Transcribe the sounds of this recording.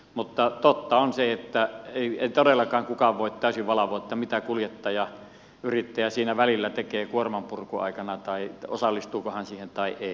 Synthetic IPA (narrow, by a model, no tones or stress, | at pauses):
mut̪ːɑt̪ot̪ːɑonseet̪ːæeˑieit̪odelːˑɑkɑːŋkukɑʋʋoˑit̪t̪æˑysyʋʋɑlɑʋoˑːet̪ːɑmit̪ækuljet̪ːɑjɑ | yrit̪ːæjɑsiːnæʋælilːæt̪ekeːkuormɑmpurkuɑ̰ˑikɑnɑt̪ɑio̰sɑlːist̪uːkohɑnsiːhent̪ɑiʔeˑi